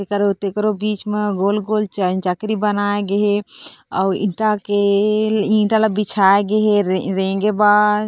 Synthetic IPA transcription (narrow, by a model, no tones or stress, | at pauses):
t̪ekəɾot̪ekɾobit͡ʃmeɡolɡolt͡ʃənt͡ʃəkɾibənaeɡeɦeɔḭ̃ʈake | ĩɳʈaləbit͡ʃʰaeɡeɦeɾẽŋɡeba